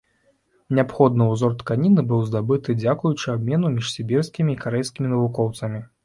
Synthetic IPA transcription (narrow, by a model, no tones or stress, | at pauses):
nʲɛapxɔd̪nɐwzɔrt̪kanʲinɨbɨwzd̪abɨt̪ɨd͡zʲakujut͡ʂɨabmʲɛnumʲiʂsʲibʲirskʲimʲiːkaɾɛjskʲimʲinɐvukɔwt̪sɐmʲi